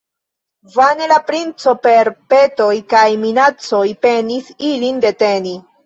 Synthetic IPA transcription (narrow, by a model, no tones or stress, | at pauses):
vane̞lapɾint͡so̞pe̞ɾpe̞to̞jkajminat͡so̞jpe̞nisilinde̞te̞ni